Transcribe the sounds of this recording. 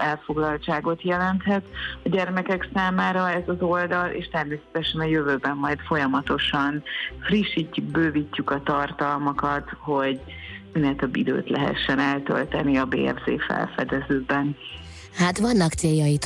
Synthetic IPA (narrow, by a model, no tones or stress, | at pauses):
ɛlfo̞ɡlɒlt͡ʃaːɡo̞t̪jɛlɛnt̪hɛt̪ɒɟɛrmɛkɛksaːmaːɾɒɛzɒzo̞ld̪ɒlʔḛːʃt̪ɛrmeːsɛ̥t̪ɛʃɛnɒjøvøːbɛmːɒjt̪fo̞jɒmɒt̪o̞ʃɒnfriʃːicːuk̚bøːvicːukɒt̪ɒrt̪ɒlmɒkɒt̪ho̞ɟ | mind̪ɛːnt̪øbːid̪ø̰ːt̪lɛɦɛ̰ʃːɛnɛlt̪ø̰lt̪ɛniɒbḛːɛ̰vzḛːfɛ̰lfɛ̰d̪ɛzøːbɛn | hat̪ʋɒnːɒkt̪seːjːɒjit̪